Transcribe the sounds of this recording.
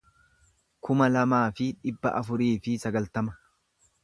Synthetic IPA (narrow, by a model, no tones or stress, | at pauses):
kʊmɐlɐmaːfɪᶑɪbːɐ̰ʔɐfʊɾiːfɪsɐɡɐlt̪ɐmɐ̥